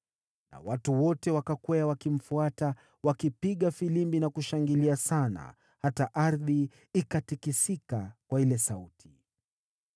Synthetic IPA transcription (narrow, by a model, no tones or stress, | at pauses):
na̰watuwɔtɛwakakwɛawakim̩fuata | wakipiɠafilimbinakuʃaŋɡiliasana̰ | hataʔaɾði | ikatikisikakwailɛsautʰi̥